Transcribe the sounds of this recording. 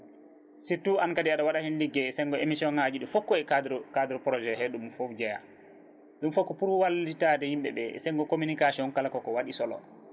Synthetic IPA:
sitːuʔankadiaɗawaɗahɛnliɡːɛsɛŋɡɔemisiɔnhad͡ʒiɗufɔkːɔɛdkadɛɾɔpɾɔd͡ʒɛɦɛɗumfofd͡ʒɛja̰ | ɗumfɔkːɔpuɾwalditadɛhimɓɛ̰ɓɛ̰ɛ̰sɛŋɡɔkominikasiɔnkalakɔkɔwaɗisɔlɔ̰

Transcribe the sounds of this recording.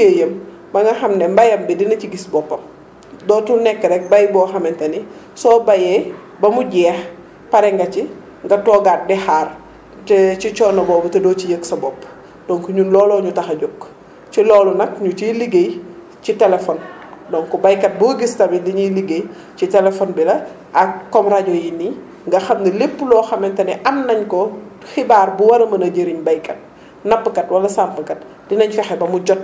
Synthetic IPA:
kejəm | bɐŋɡɐxɐmnɛmbɐjɐmbidinɐt͡ʃiɡisbɔpːɐm | dɔːtunɛkːəɾɛk̚bɐjbɔːxɐmɛntɐni | sɔːbɐjɛ | bɐmuɟɛːx | pɐɾɛŋɡɐt͡ʃi | ŋɡɐtɔːɡat̚dɛxaːr | tɛt͡ʃit͡ʃɔːnɐbɔːbɐtɐdɔːcijəksɐbɔpː | d̥ɔŋkuɲulɔːlɔɲutɐxɐɟokː | t͡ʃilɔːlunɐk̚ɲut͡ʃiliɡej | citɛlɛfɔndɔŋkɔbɐjkːɐt̚buɡistɐbindiɲiliɡej | citɛlɛfɔnbilɐ | ʔɐkːɔmraɟɔjini | ŋɡɐxɐmnɐlepːlɔːxɐmɛntɐnɛʔɐmnɐɲkɔ | xibaːrbuwɐnɐmɐnɐɟəɾiɲbɐjkɐt̚ | nɐpːkɐtwɐlɐsampɐkɐt̚ | dinɐɲkɐxɛbɐmuɟɔt̚

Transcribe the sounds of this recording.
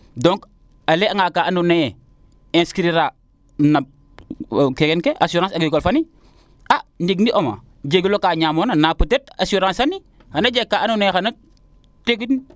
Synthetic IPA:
dõŋk | aleaŋakaʔanuneje | ẽnskɾiɾa | na | kekenkeʔasuɾãsaɡikolfani | andiɡniʔoma̰ | d͡ʒeɡilokaːɲaːmonanaputet̚a̰suɾãːsani | xanad͡ʒekːaanunejxana | tekitni

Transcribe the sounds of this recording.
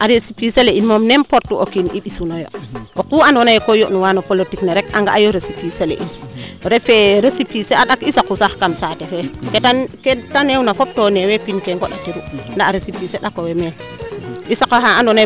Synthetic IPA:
ʔaɾesipiseleʔinmomnempoɾtuʔokinḭɓisunojo̰okuanonajkojoʔnuwanopolotikneɾekaŋɡaʔajoɾesipiselḛʔinɾefeɾesipiseaɗakisakusaxkamsatɛfɛketaketanewnafop̚tonewepinkeŋɡoɗatiɾundaːɾesipiseɗakowemelʔisakahaanɔna

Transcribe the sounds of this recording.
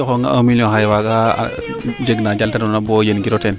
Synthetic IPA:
oxoŋa̰o̰miljõɦajwaɡa̰ | d͡ʒeɡnad͡ʒaltanonabojenɡiɾoten

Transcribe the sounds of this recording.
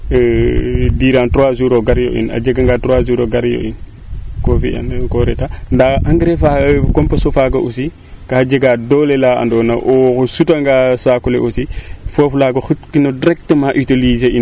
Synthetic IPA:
diːɾantɾowazuɾoɡaɾjo̰ʔḭna̰d͡ʒeɡaŋɡaːtɾoazuɾoɡaɾjo̰ʔḭn | kofḭa̰nkoɾetandaʔaŋɡɾefakɔmpɐsofaɡɐʔusi | kad͡ʒeɡadɔlelaa̰ndɔnaʔɔkosutaŋɡasakuleʔosifoflaɡoxutkinodiɾɛk̚təmaʔitolizein

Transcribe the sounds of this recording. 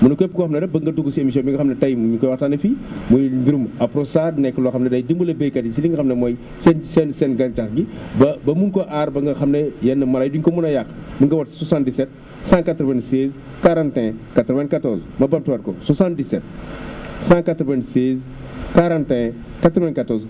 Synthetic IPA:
munɐkɔpːkɔxɐmnɐdɐbɐŋɡɐduɡusiemis̬iɔ̃mbiŋɡɐxɐmnɐtɐjmuɲukɔjwataːnɐfimujbiɾumɐpɾosadnɛjkɐlɔxɐmnɐdɐjdimbulɐbekɐdisidiŋɡɐxɐmnɐmɔj | sɛnsɛnsɛnɡɐnt͡ʃaxɡibɐbɐmunkɔʔaɾbɐŋɡɐxɐmnɐjɐnːɐmɐlɐjduɲkɔmunɐjaxbɐŋɡɐwɐtswasãndisɛt̚ | sãkatɾɔvɛnsɛz | kaɾãntɛ̃katɾɔvɛ̃nkatɔɾzmɐbɐp̚tuwaɾkɔswasãn̚disɛt̚ | sãkatɾɔvɛ̃nsɛːz | kaɾãntɛ̃ | katɾɔvɛ̃nkatɔz

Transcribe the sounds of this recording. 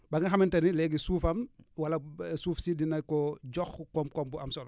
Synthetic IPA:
bɐŋɡɐxamintɐnilɛɡisuːfɐmwalɐsuːfsidinɐkɔɟɔxkɔmkɔmbuɐmsɔl

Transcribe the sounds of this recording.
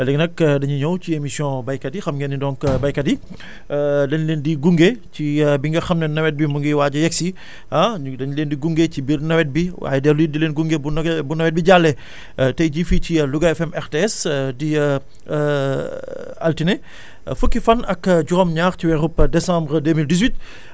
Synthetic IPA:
wɛlɛɡnɐkdɐɲiɲɔwciemisjɔ̃bɐjkɐdixɐmɡɛnːidɔŋkbɐjkɐdi | dɐnleːndiɡuŋɡecibiŋɡɐxɐmnɐnːɐwɛt̚bimuŋɡiwaːɟɐjɛksi | ãdɐɲleːndiɡuŋɡecibirnɐwɛt̚biwa̰ːjɛdɛːɾlujidileːnɡuŋɡebunbunɐwɛt̚biɟalːɛ | tɐjɟificiluɡɐɛfɛmɛɾteɛsdi | ɐltinɛ | fəkːifɐnɐkɟuʁɔmɲaːxciwɛɾupːdɛsãmbɾədeːmildizwit̚

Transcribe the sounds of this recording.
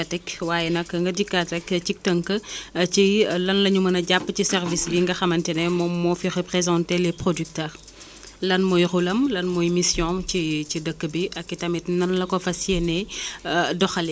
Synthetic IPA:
ɐtɐkwaːjɛnɐkːŋɡɐdikːatɐkt͡ʃik̚təŋkət͡ʃilɐnlɐɲumɐnɐɟapːcisɛrvisliŋɡɐxɐmɐntɛnɛmɔmːɔfirəpɾezɑ̃ntelɛprodyk̚tɛːr | lɐnmɔjxulɐmlɐnmɔjmisjɔ̃cicidəkːəbiʔɐkːitɐmɛtnɐnlɐkɔfɐsjenɛ | dɔxɐl

